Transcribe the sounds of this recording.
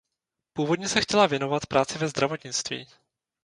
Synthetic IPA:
puːvo̞dɲɛsɛxcɛlavjɛno̞vat̪pɾaːt͡sɪvɛzd̪ɾavo̞t̪ɲɪt͡st̪vḭː

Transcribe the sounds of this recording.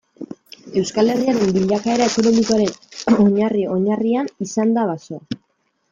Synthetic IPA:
e̞wskale̞riaɾe̞mbiʎakae̞ɾae̞ko̞no̞miko̞aɾe̞no̞ɲario̞ɲarianisand̪aβaso̞

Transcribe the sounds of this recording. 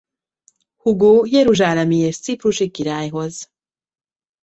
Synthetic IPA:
huɡujeɾuʒaːnamijest͡sipɾuʃikːiɾajɦɔz

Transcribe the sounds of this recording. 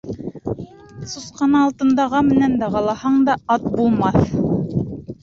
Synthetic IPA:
susqɑnɑːlˠt̪ɤ̆nd̪ɑʁɑmɘ̆nænd̪æʁɑlˠɑhɑɴd̪ɑɑt̪̚bulˠmɑθ

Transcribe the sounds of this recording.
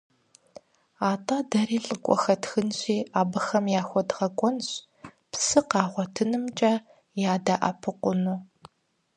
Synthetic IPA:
aːtʼadɐriːɬʼɨkʷʼɔ̰xɐtʰxɨnɕiːaːbɨxɐmjaːxʷɔdʁɐkʷʼɔnɕ | psɨqɑːʁʷɔtʰɨnɨmt͡ʃʼɐ | jaːdaʔɐ̰pʰɨqʷʊnuː

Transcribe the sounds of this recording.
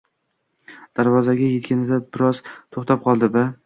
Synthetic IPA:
d̪̥aɾvɒzaɡʲajekʲanɪd̪abɪɾɒzt̪ʰoχt̪ʰap̚qʰɒlˠd̪ɪba

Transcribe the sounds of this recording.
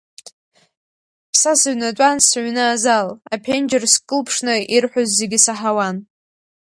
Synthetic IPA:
pʰsasɨɥnatʷʼansʕʷnɨazalapʰend͡ʒɪrskʼɨlpʰʂnɨirħʷᶣozːe̞ɡʲisaħawan

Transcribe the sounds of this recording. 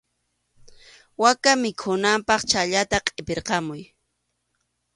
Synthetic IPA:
wakamɪkʰʊnampɑχt͡ʃaʎat̪aqʼepeɾqɑmʊj

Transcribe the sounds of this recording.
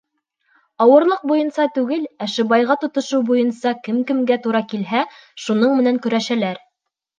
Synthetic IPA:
ɑwɤ̆ɾlˠɤq̚bujɤnsɑt̪ʉɡɘlæʃɘ̆bɑjʁɑt̪ŏt̪ŏʃɤwbujɤnsɑkɘ̆mkɘ̆mɡæt̪uɾɑkilɦæ | ʃunɤɴmɘ̆næŋkɵ̆ɾæʃælæɾ

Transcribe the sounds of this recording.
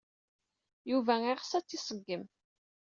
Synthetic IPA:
juvæiʁsæt͡sːisˤəɡːəm

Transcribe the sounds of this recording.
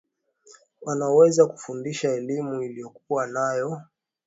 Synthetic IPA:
wanawɛzaku̥fundiʃaɛlimuilijɔkuwanajɔ

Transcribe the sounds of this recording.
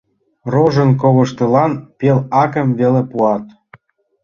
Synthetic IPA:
roʒə̆nk̬oβə̆ʃt̪ɤ̆lɑnpelɑkə̆mvelepuɑt̪

